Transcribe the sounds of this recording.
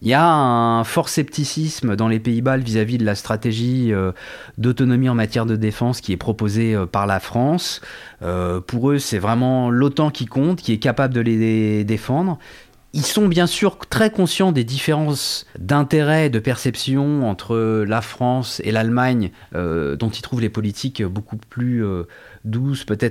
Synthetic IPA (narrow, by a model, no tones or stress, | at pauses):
iljaɛ̃fɔʁsɛpt̪isismd̪ɑ̃lepeibalvizavid̪əlast̪χat̪eʒiø | d̪ot̪ɔnɔmiɑ̃mat̪jɛʁd̪əd̪efɑ̃skʲiɛpχɔpozeøpaʁlafχɑ̃s | øpuʁøsɛvʁɛmɑ̃lot̪ɑ̃kʲikɔ̃t̪kʲiɛkapabləd̪əled̪efɑ̃d̪ʁ | ilsɔ̃bjɛ̃syʁt̪χɛkɔ̃sjɑ̃td̪ed̪ifeʁɑ̃ssd̪ɛ̃t̪eʁɛd̪əpɛʁsɛpsjɔ̃ɑ̃t̪χəlafχɑ̃sḛlalmaɲ | ø̰d̪ɔ̃t̪ilt̪χuvlepɔlit̪ʰikbokuplyø | d̪uspøt̪ɛt̪χ